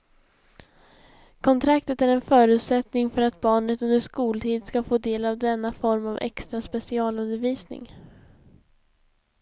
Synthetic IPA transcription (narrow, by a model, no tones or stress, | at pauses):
kʰɔnt̪ʰɾakt̪ət̪æɾɛnfœːɾʉ̟ːt̪sɛt̪nɪŋfœɾat̪̚bɑːɳət̪ɵnd̪əʂkuːlt̪ʰiːd̪skafoːd̪eːlavd̪ɛnːafɔɾmavɛ̰kst̪ɾaspɛsɪɑːlɵnd̪əɾviːsnɪ̰ŋ